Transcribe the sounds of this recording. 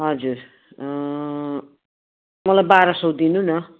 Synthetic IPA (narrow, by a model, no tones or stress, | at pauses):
ɦʌd͡zur | mʌlajbaɾʌsʌwd̪inunʌ